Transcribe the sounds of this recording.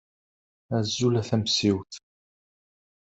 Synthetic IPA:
æzːulæθæmsiwt̪

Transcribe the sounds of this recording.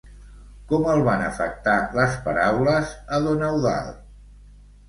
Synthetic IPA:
kɔməlˠβanə̰fə̰k̚t̪aləspəɾawləzəðonəwða̰lˠ

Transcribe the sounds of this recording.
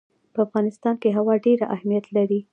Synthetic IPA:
pəafɣɑnɪst̪ɑnkeɦawɑɖeɾaʔa̰hmijat̪laɾi

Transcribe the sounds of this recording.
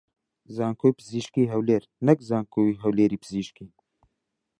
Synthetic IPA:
zaːŋkʰoːipɨziːʃkiːɦɛwleːɾnɛkzaːŋkʰoːiɦɛwleːɾiːpʰɨziːʃkiː

